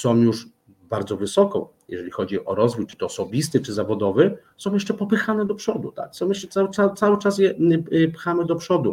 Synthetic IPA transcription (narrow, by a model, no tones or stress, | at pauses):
sɔ̃w̃juʂ | baɾd̪zɔvɘsɔkɔ̰̃w̃ | jɛ̰ʐɛlʲixɔd͡ʑiʔɔɾɔzvujt͡ʂɘ̥t̪ɔːsɔbʲist̪ɘt͡ʂɘzavɔd̪ɔvɛsɔ̃w̃jɛʂt͡ʂɛpɔpɘxanɛd̪ɔpʂɔd̪ut̪a̰ksɔ̃w̃jɛʂɛt̪saw̪awt̪sawɘt͡ʂas̬jɛpxamɘd̪ɔpʂɔd̪u